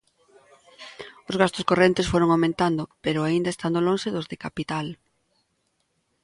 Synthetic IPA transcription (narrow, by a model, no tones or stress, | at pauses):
ʊzɣast̪ʊskorent̪esfoɾoŋawmẽnt̪and̪ʊpeɾʊaind̪aest̪and̪oloŋʃeðʊzðekapit̪al